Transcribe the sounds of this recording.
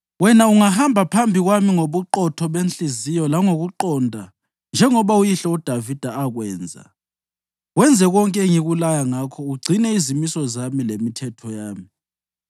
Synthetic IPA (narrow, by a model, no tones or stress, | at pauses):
wɛnauŋahambʱapʰambʱiɣwamiŋoβuǃɔtʰɔβenɬizijɔlaŋoɣuǃɔndʱa̰ | nd͡ʒʱɛŋɔβaujiɬɔud̥ʱavid̥ʱaːɣwɛːnd͡zʱa̰ | wɛnd͡zʱɛɣɔŋkʼɛŋiɣulajaŋakʰɔuɡ͡ǀʱinɛizimisɔzamilemitʰɛtʰɔjaːmi